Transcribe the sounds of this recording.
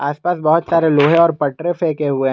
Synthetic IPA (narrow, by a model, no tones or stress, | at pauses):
aːspaːsbɐɦʊt̪saːɾeloːɦẽɔːɾpɐʈɾẽfeːkeɦue